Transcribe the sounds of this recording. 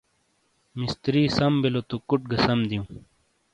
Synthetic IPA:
mist̪ɾiːsɐmbelot̪ukuʈ̚ɡɐsɐmd̪ijũː

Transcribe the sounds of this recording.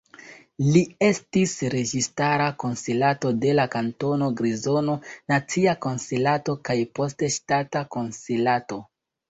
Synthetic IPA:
lie̞stisɾe̞d͡ʒistaɾako̞nselato̞de̞lakanto̞no̞ɡɾizo̞no̞nat͡siako̞nselato̞kajpo̞steʃtatako̞nselato̞

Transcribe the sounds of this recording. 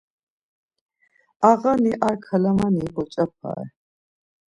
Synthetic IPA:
aʁaniʔaɾkʰalamanikʼɔt͡ʃʼap̚ʰa̰ɛ

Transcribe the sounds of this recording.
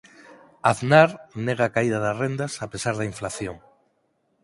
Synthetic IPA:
aðnaɾneɣ̞aːkaiðaðasrend̪asapesaɾðaiɱflaθjoŋ

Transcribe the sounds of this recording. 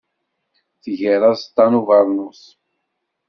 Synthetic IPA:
θiʝɛɾast̪anuvaɾnus

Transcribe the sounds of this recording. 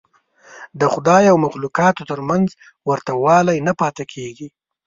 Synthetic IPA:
d̪əxʊd̪ɑjawmaxlukɑt̪ot̪əɾmanz | wəɾt̪awɑlajnapɑt̪akʰeɡi

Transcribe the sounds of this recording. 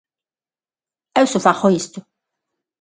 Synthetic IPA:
ewsʊfaxoist̪ʊ

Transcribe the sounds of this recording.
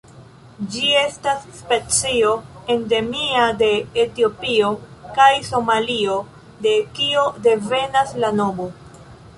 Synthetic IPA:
d͡ʒie̞stasːpe̞t͡sio̞ende̞miade̞ːtio̞pio̞kajso̞malio̞ | de̞kio̞de̞ve̞naslanomo

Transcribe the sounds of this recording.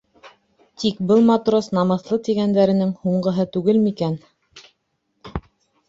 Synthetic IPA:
t̪ikbɤlˠmat̪rosnɑmɤ̆θlˠɤt̪iɡænd̪æɾɘ̆nɘŋhuɴɢɤ̆ɦɤt̪ʉɡɘlmikæn

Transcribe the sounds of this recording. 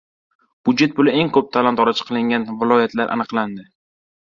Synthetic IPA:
b̥ʊd̪d͡ʒe̞t̪̚pʰʊlɪe̞ŋkʰɵp̚t̪ʰalant̪ʰɒɾat͡ʃʰɪ̥qʰɨlɪŋʲanvɪlˠɒjat̪ʰlaɾʔa̰nɨqlˠand̪ɪ

